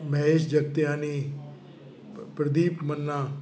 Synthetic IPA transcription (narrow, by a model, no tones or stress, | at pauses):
mɛ̃ːɪʃd͡ʒəɡt̪ejãːniː | pɾəd̪iːpmənːãː